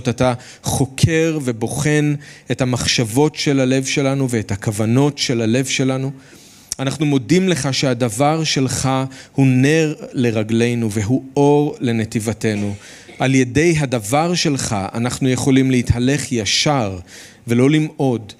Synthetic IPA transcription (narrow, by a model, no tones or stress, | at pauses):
tata | χo̞kʰe̞ʁvebo̞χe̞nethamaχʃavo̞tʃe̞lale̞vʃe̞lanuveːthakavano̞tʃe̞lale̞vʃe̞lanu | anaχnumo̞dimle̞χaʃehadavaʁʃe̞lχahune̞ʁle̞ʁaɡle̞jnuveɦuo̞ʁle̞netivate̞nu | ʔalje̞de̞jɦadavaʁʃe̞lχaa̰naχnujeχo̞limleithale̞χjaʃaʁ | ve̞lo̞limo̞d